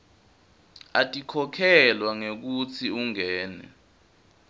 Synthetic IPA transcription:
atʼikʰɔkʰɛlwaŋek̬ut͡sʰiuŋɛːnɛ̰

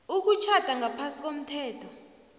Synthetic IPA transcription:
uk̬ut͡ʃʰad̥ʱaŋʱapʰasik̬om̩tʰɛːtʰɔ

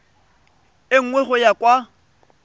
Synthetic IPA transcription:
ɪŋ̩ŋwɛχʊjakʼwa

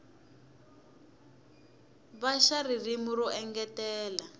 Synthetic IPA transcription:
βaʃaririmuɾɔʔɛŋɡɛtɛːla

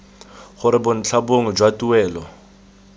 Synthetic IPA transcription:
χʊɾɪbʊn̩t͡ɬʰaboŋ̩d͡ʒwatʼuɛːlɔ

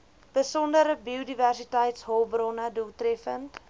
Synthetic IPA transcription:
b̥əsɔndəɾəbiodiværsitəjtsɦɔlˠbrɔnədulˠtrɛfənt

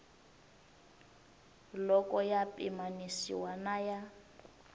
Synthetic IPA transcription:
lɔkʼɔjapʼimanisḭwanaja

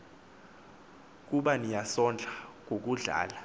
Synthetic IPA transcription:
k̬uɓanijasɔnd͡ɮʱaŋok̬uɮa̰ːla

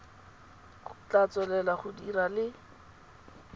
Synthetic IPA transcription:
χʊ̥t͡ɬat͡sɛlɛlaχʊdiralɪ

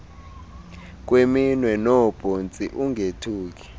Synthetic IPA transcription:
k̬ʼweminwɛnɔb̥ʱont͡sʼiʔuŋɡʱetʰuːk̬i̥

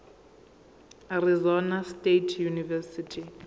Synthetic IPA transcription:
arizɔnastetʰjunivɛsitʰi

